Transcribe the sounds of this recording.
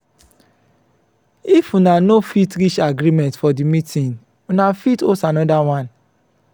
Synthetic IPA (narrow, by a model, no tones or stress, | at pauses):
ifunanofitɾit͡ʃaɡɾimɛ̃ntfɔdimitʰĩn | unafitosanɔdawãn